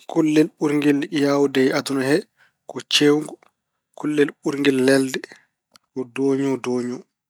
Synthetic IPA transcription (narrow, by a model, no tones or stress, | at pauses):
kulːɛlɓuɾŋɡiljawdɛjatunahɛ | kɔt͡ʃewŋɡɔ | kulːɛlɓuɾŋɡilːɛldɛ | kɔdɔːɲɔdɔːɲɔ